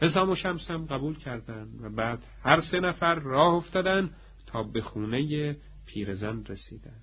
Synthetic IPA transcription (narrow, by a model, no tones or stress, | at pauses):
pʰe̞s̬ɒːmoʃæmsæmɢæbuːlcʰæɾd̪ænd̪væbæːd̪̥hæɾse̞næfæɾːɒːhoft̪ɒːd̪ænd̪ | t̪ʰɒːbe̞xuːneje | pʰiːɾezænɾesiːd̪æn̥